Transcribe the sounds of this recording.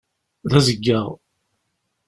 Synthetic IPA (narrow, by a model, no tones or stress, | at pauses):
ðæzəɡːəʁ